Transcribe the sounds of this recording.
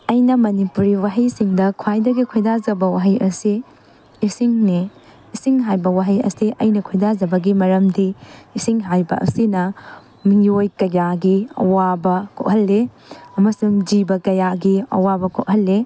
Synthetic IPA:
ɐjnɐmɐnipuɾiwaɦɐjsiŋdɐkʰwajdɐɡikʰojdazɐbɐwaɦɐjʔɐsiː | siŋne | isiŋɦajbɐwaɦɐjɐ̰siʔɐjnɐkʰojdazɐbɐɡimɐɾɐmdiːsiŋɦajbɐ̰ʔɐ̰sinɐ | miŋojkɐjaɡiɐ̰wabɐkʰo̰ʔ̚ɦɐlːe | ɐmɐsuŋd͡ʒibɐkɐjaɡiɐ̰wabɐkʰoʔ̚ɦɐlːe

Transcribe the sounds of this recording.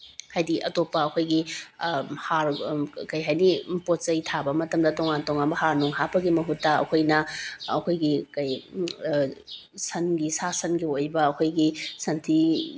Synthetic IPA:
hajdiʔɐtopːɐːkʰojɡi | haɾkɐjɦajnipot̚t͡ʃɐjtʰabɐmɐtɐmdɐtoŋantoŋanbɐhaɾnuŋɦapɐɡimɐɦutːɐɐ̰kʰojnɐːkʰojɡikɐj | sɐnɡisasɐnɡiojbɐːkʰojɡisɐntʰi

